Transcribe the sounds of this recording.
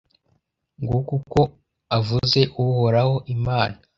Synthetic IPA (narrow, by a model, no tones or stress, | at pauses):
ŋɡukuko̞ | avuze̞ʔuhoɾaho̞ʔimaːna